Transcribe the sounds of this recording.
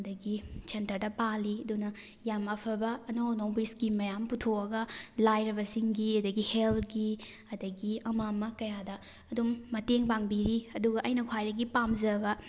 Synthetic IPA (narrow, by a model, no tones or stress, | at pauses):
ɐdɐɡisʰentɐɾdɐpalːiɐdunɐ | jamɐpʰɐbɐːnownoŋbiskimːɐjamputʰoɐɡɐlajɾɐβɐsiŋɡiɐdɐɡiheltɡi | ɐdɐɡiɐmamɐkɐjadɐ | ɐdumːɐteŋbaŋbiɾiɐduɡɐʔɐjnɐkʰwajdɐɡipamzɐbɐ